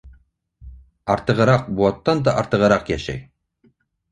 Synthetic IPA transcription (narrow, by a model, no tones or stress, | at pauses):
ɑɾt̪ɤ̆ʁɤ̆ɾɑq̚buɑt̪ːɑnd̪ɑʔɑɾt̪ɤ̆ʁɤ̆ɾɑqjæʃæ̰j